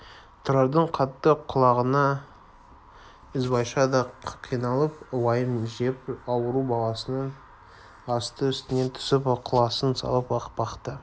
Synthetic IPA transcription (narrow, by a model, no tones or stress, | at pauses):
t̪ʰʊɾɑɾd̪əɴqʰɑt̪ːəqʰʊlˠɑʁənɑ | ɪzbɑjʃɑd̪ɑqʰijnɑlˠəpwɑjəmʒepɑwəɾubɑlˠɑsənəɴ | ɑst̪əʏst̪ɪne̞nt̪ʰʏ̥sɪpqʰʊlˠɑsənsɑ̰lˠəpɑqpbɑqt̪ə